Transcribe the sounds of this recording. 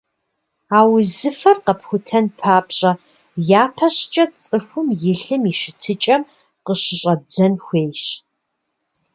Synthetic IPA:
aːwzɨfɐrqɐpxʷʊtʰɐnpʰaːpʰɕʼɐ | jaːpʰɐɕt͡ʃʼɐt͡sʼɨxʷʊmjɪɬɨmiʃɪtʰɨt͡ʃʼɐm | qəɕɨɕʼɐd͡zɐnxʷeːjɕ

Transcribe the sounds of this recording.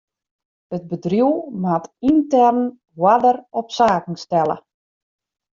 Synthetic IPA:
ət̚bədrjuwmatintɛrn | wadərɔpsaːkŋ̩stɛlə̰

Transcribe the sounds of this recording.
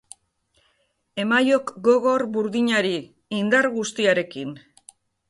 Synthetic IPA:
e̞majo̞kɡo̞ɣo̞ɾbuɾðiɲaɾiː | nd̪aɾɣust̪iaɾe̞kin

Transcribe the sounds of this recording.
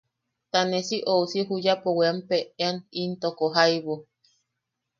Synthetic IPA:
t̪anesiʔousiɦujapoweampeeanint̪okoɦaijβo

